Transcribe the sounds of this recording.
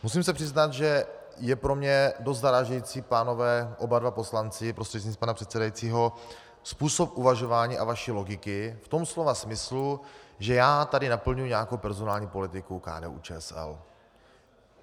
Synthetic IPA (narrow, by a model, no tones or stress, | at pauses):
mus̬imsɛpr̥ɪznat̪ʒɛ | jɛpɾomɲɛdost̪d̪aɾaːʒɛjit͡sipaːno̞vɛːʔo̞badvapo̞slant͡sɪpɾost̪r̥ɛt̪ispanapr̥ɛt̪sɛdajit͡siːɦo̞ | spuːsopʔuvaʒovaːɲiːʔavaʃiːlo̞ɡɪkɪft̪o̞mslo̞vasmɪsluʒɛjaːt̪adɪnapl̩ɲujuɲɛakowpɛɾzonaːlɲiːpo̞lɪt̪ɪkuka̰ːdɛ̰ːʔṵːt͡ʃɛːɛsɛ̰l